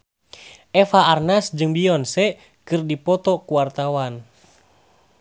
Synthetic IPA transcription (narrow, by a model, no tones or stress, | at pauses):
ʔɛfaːrnasd͡ʒɨŋbiɔnsɛ | kɨrdipɔt̪ɔkuwart̪awan